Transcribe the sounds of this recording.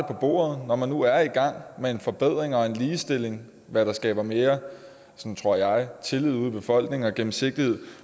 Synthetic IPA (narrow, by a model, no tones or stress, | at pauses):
əpʰɒ̽b̥o̝̰ːɐð̞̩ˠnɒmænːuæɐiɡ̥ɑ̈ŋ̰mee̝nfɒ̽b̥eð̞̰ˠʁeŋɒ̽e̝nliːsd̥e̝l̰e̝ŋ | ʋæɾ̥ɑ̈sɡ̥ɛ̰ːb̥ɐmeːɐ | sɒnt͡sʰʁo̝ɐ̰jɑ̈ɪt͡sʰe̝lið̞̰ˠuðˠb̥e̝fɒ̽l̰ɡ̥ne̝ŋɒ̽ɡ̥em̩se̝ɡ̥̚d̥ihe̝ð̰ˠ